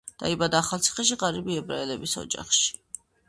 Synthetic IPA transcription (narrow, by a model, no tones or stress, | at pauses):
d̪̥aibad̪aːχalˠt̪sʰi̥χɛʃ̬iqʼaɾibiɛbɾaɛlɛbisɔ̰d͡ʒa̰χʃi̥